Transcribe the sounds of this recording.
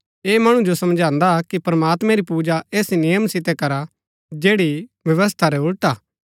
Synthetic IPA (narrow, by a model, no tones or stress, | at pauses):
eːmɐɽ̃ũd͡ʒosɐmd͡ʒãːnd̪akipɾɐmaːt̪mɛ̃ɾipuːd͡ʒaeːsnɪjəmsɪt̪ɛkɐɾa | d͡ʒeːɽiʋjɐʋəs̬t̪ʰaɾɛʊɽʈaː